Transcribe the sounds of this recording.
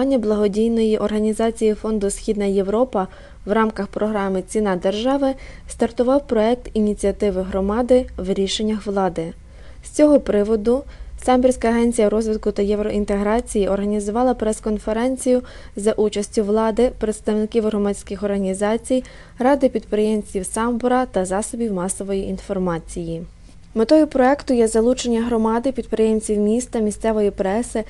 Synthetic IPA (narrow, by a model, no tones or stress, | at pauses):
ɑnʲːɐblˠɐɦɔdʲijnɔjiʔɔrɦɐnʲizɑt͡sʲijifɔnd̪ʊsxʲid̪nɐjeʋɾɔpɐ | ʋrɑmkɐxpɾɔɦɾɑmɪt͡sʲinɑd̪erʒɑʋɪst̪ɐrt̪ʊʋɑwpɾɔɛk̚t̪inʲit͡sʲiɐt̪ɪʋɪɦɾɔmɑd̪ɪʋɾʲiʃe̞nʲːɐxʋlˠɑd̪ɪ | sʲt͡sʲɔɦɔpɾɪʋɔd̪ʊsɑmʲbʲirʲsʲkɐːɦɛnʲt͡sʲijɐɾɔzʋʲɪd̪kʊt̪ɐjɛʋɾɔʔint̪eɦɾɑt͡sʲijiʔɔrɦɐnʲizʊʋɑlˠɐpɾɛskɔnfe̞ɾɛnʲt͡sʲijʊzɐʔut͡ʃɐsʲtʲʊʋlˠɑd̪ɪpɾet̪st̪ɐwnɪkʲiwɦɾɔmɑdʲsʲkʲɪxɔrɦɐnʲizɑt͡sʲij | ɾɑd̪ɪpʲid̪̚pɾɪjemt͡sʲiwsɑmbʊɾɐt̪ɐzɑsɔbʲiwmɑsɔʋɔjiʔinfɔrmɑt͡sʲiji | met̪ɔjʊpɾɔɛkt̪ʊjɛzɐlˠut͡ʃenʲːɐɦɾɔmɑd̪ɪpʲid̪̚pɾejemʲt͡sʲiwmʲist̪ɐmʲisʲt̪sɛʋɔjipɾɛsɪ